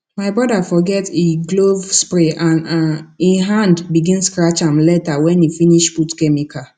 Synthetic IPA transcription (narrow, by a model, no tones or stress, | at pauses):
maɪbɹɔdafɔɡɛteɡlovspɾeʔãniɦãndbiɡĩnskɾat͡ʃãmlɛtawɛ̃nifiniʃputkɛmika